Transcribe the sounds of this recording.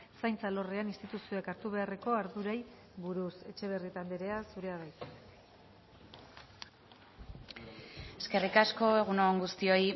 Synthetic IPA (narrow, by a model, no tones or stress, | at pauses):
sajnt͡salo̞reanist̪it̪usio̞ekaɾt̪uβ̞e̞are̞ko̞aɾðuɾaj | βuɾuse̞t͡ʃe̞β̞e̞rit̪and̪eɾe̞asuɾe̞aβajt̪ | e̞ske̞rikasko̞e̞ɣ̞unoŋɡust̪io̞i